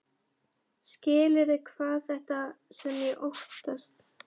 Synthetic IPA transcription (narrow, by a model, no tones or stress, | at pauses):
scɪːlɪɾɪkʰvaːθɛht̪asɛmjɛʔoht̪ast̪